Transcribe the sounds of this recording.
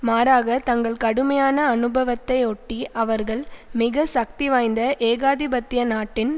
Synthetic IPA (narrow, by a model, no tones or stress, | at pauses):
maːɾaːɣɐt̪ɐŋɡɐɭkɐɽɯmɐjaːnɐːnɯbɐʋɐt̪ːɐɪɔʈːiʔɐʋɐɾɣɐɭmɪɣɐsɐk̚t̪iʋaːjnd̪ɐʔeːɣaːðɪbɐt̪ːɪjɐnaːʈːɪn